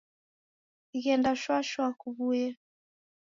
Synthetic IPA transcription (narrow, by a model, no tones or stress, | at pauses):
iɣɛndaʃwaʃwakuβujɛ